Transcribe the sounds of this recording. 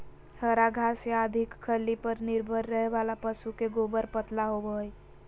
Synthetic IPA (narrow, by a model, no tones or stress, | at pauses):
həɾaɡʱasead̪ʱikkʰːəlːipəɾniɾbʱəɾːəɦeʋalapəsukeɡobəɾpət̪laɦobəj